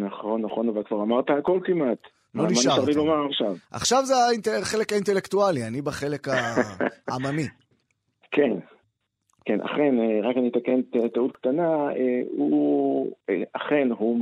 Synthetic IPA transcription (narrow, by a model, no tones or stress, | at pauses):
naχonːaχo̞navalkvaʁamaʁt̪aako̞lkimat̪ | lonimaʃaʃaʁlilomaʁaχʃavʔa̰χʃavzeaint̪eχe̞le̞kaint̪e̞le̞kt̪ualianibaχe̞le̞ka | amami | kʰen | kenʔa̰χe̞neʁakanit̪akent̪et̪aut̪̚kt̪anaeu | eaχe̞nɦu